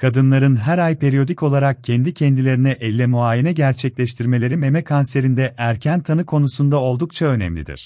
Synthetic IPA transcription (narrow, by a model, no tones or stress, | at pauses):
kʰad̪ɯnlˠaɾɯnɦæɾajpʰe̞ɾijo̞d̪ico̞lˠaɾak̚cʰɛnd̪icʰɛnd̪ilʲe̞ɾinɛʔɛlʲːɛmuaːjinɛɟæɾt͡ʃʰɛclʲɛʃt̪ʰiɾme̞lʲe̞ɾime̞mɛkʰanse̞ɾind̪ɛʔæɾcʰænt̪ʰanɯkʰo̞nusund̪ao̞lˠd̪uk̚t͡ʃʰaø̞nɛ̰mlʲḭd̪ḭɾ̥